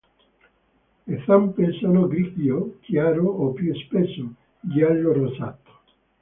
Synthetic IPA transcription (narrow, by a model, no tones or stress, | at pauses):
eθampeɾsanoɡɾikjokjaɾoopuespeso | ɡialorosat̪o̥